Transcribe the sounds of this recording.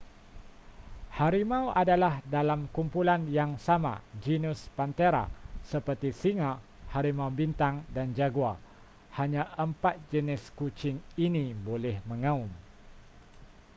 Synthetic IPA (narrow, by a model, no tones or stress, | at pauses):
haɾimãwʔadalahdalamkumpulanjaŋsama̰d͡ʒinuspant̪eɾa̰səpərt̪isiŋa | haɾimãwbint̪aŋdand͡ʒaɡua | haɲãʔəmpat̪̚d͡ʒənɪskut͡ʃɪŋinibolɛhmə̃ŋãum